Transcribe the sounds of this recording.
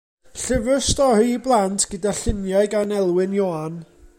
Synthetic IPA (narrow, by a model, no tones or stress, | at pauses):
ɬəvɨstɔhɨiblˠantʰɡ̥ədaɬɪnjajɡanɛlˠwɪnjɔan